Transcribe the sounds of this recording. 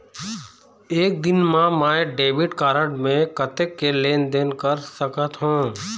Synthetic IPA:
eːk̚d̪ɪnmãmaːɖeːʋɪɖkaːɾəʈmẽkət̪ekːeleːnd̪eːnkəɾsəkət̪ɦũː

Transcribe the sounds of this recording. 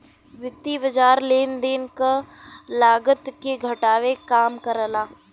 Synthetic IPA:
ʋɪt̪ːibəd͡ʒaːɾleːnd̪eːnkalaːɡət̪keɡʱɐʈaːʋekaːmkɐɾəlaː

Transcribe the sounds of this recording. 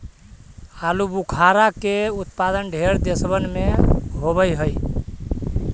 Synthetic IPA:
alubukʰaɾakeut̪pad̪ənɖʱeɾd̪esbənmeɦoβəjɦəj

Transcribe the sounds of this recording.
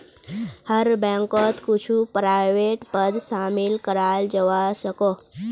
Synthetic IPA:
həɾbə̃ŋkɔt̪kut͡ʃʰupɾajʋeʈpəd̪samilkəɾald͡ʒəʋasəko

